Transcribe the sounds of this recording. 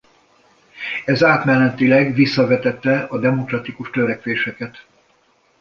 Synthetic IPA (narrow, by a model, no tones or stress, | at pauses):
ɛzaːt̪mɛlːɛt̪ilɛɡʋisːɒvɛt̪ɛt̪ːɛɒd̪ɛmo̞krɒt̪ikuʃt̪øɾɛkʋeːʃɛkɛt̪